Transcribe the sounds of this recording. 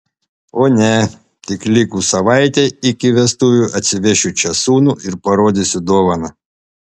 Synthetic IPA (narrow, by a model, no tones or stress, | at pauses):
oːnʲɛ | t̪ʲɪklʲɪkusɐʋɑˑɪt̪ʲeɪkʲɪʋʲɛst̪uʋʲuʔɐt̪ʲsʲɪʋʲɛʃʲʊt͡ʃʲɛsuːnuːɪɾpɐɾoːd̪ʲɪsʲʊd̪oːʋɐnɐ